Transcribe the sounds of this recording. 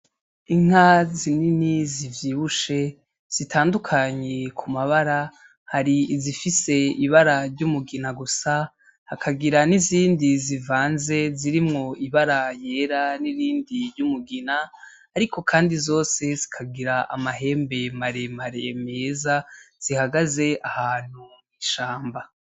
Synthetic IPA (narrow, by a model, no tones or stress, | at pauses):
iŋ̥hazininizivjiβuʃe̞ | z̥itʰaːndukʰaɲe̞kʰumaβaɾa | haɾizifise̞iβaɾaɾɟumuɡinaɡusa | hakʰaɡiɾaniziːndizivaːnze̞ziɾimŋo̞ʔiβaɾaje̞ːɾaniɾiːndiɾɟumuɡinaː | ɾiko̞kʰaːndizo̞ːse̞zi̥kʰaɡiɾaʔa̰maɦe̞ːmbe̞maɾe̞maɾeme̞ːzaz̥ihaɡaze̞ʔahaːn̥hu | iʃaːmba